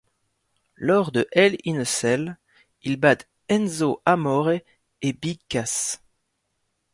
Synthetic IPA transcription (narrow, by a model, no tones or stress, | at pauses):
lɔʁd̪əʔɛlinəsɛl | ilbad̪ | ɛnzoʔamɔʁe | ebikːas